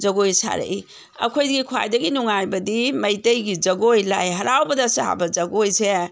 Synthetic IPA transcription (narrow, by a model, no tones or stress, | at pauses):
d͡ʒɐɡojsa̰ɾḛʔi | ɐ̰kʰojdɡikʰua̰jdɐɡinuŋajbɐdimɐjtɐjɡid͡ʒɐɡojlajɦɐɾawbɐdɐsaha̰bɐd͡ʒɐɡojse